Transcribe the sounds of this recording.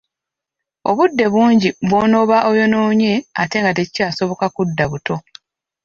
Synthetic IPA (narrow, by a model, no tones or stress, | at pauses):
o̞̰βudːe̞βuːɲɟiβwo̞ːno̞βaʔo̞jo̞no̞ːɲe̞a̰te̞ŋɡat̬ecicaːso̞βo̞kakudːaβuto̞